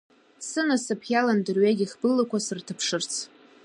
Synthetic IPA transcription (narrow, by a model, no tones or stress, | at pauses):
sɨnasɨpʰjalandɨrɥaɡʲiχbɨlːakʷʰasɨrtʰɨpʰʂɨrt͡sʰ